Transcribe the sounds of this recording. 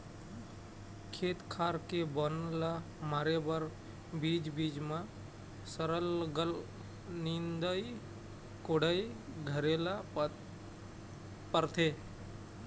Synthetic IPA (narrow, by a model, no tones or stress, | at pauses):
kʰeːt̪kʰaːɾkebənla | maːɾebəɾ | bid͡ʒbiːd͡ʒmã | səɾəlɡəl | nind̪əi | koɽəiɡʱəɾela | pəɾt̪ʰeː